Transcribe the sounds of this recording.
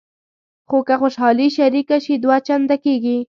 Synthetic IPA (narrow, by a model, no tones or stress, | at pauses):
xokaxoʃɑliʃaɾikaʃid̪wat͡ʃand̪akeɡi